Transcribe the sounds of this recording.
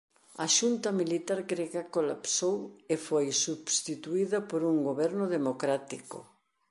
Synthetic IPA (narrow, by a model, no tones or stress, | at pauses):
ɐʃunt̪ɐmilit̪aɾɡɾeɣɐkolapsowefojsuβst̪it̪uiðɐpoɾuŋɡoβɛɾnʊðemokɾat̪iko̰